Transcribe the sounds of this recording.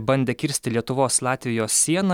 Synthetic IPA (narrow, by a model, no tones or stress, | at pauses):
bɐnʲd̪ʲeːkʲɪɾʲsʲt̪ʲɪlʲiɛt̪ʊʋoːslˠɑːt̪ʲʋʲɪjoːsːʲiɛnɑ